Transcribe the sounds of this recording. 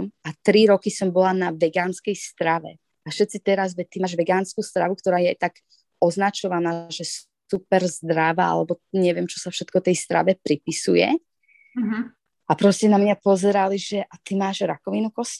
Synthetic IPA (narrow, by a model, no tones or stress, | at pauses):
mat̪ɾiɾɔkisɔmbɔlanaʋɛɡaːnskɛjst̪ɾaʋɛ̰ | aʃɛt̪t͡sit̪ɛɾazʋɛct̪imaːʒʋɛɡaːnskuːst̪ɾaʋukt̪ɔɾaːjɛt̪aɡ | ɔznat͡ʃɔʋanaːʒɛs | upɛɾzd̪ɾaʋaa̰lɛbɔɲɛʋɪɛmt͡ʃɔsafʃɛt̪kɔt̪ɛjst̪ɾa̰ʋɛpɾipisujɛ̰ | ʔapɾɔscɛnamɲapɔzɛɾaliʒɛʔat̪imaːʒɾakɔʋinukɔsc